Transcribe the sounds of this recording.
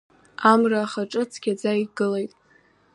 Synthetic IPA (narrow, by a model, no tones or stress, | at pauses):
amraːχaʈ͡ʂʼɨt͡sʰɡʲad͡zaiɡɨlejtʼ